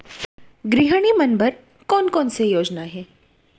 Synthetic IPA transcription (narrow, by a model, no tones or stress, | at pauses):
ɡɾiɦəɽ̃imɐnbəɾ | kɔːnkɔːnsejoːd͡ʒnaɦɛː